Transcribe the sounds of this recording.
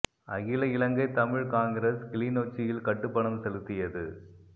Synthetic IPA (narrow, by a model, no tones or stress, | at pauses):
ʔɐɣɪlɐɪlɐŋɡɐɪt̪ɐmɪɻkaːŋɡɪɾɐskɪliːnoːt͡ʃːɪjɪlkɐʈːɯpːɐɳɐmsɛlɯt̪ːɪjɐðɯ